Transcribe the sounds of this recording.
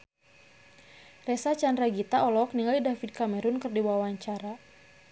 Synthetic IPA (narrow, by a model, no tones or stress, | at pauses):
rɛsat͡ʃandɾaɡit̪aʔɔlɔk̚niŋalidafid̚kamɛɾunkɨrdiwawaɲt͡ʃaɾa